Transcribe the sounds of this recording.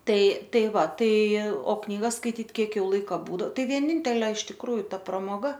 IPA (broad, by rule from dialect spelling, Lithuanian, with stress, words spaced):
ˈtɐɪ ˈtɐɪ ˈʋɐ ˈtɐɪ oː knʲiːˈɡɐs skɐɪˈtʲiːt ˈkʲiɛk ˈjɛʊ ˈlˠɐɪkɐ ˈbuːdoː ˈtɐɪ ʋʲiɛˈnʲɪnʲtʲɛlʲeː ɪʃ tʲɪkˈruːjʊ ˈtɐ prɐmoːˈɡɐ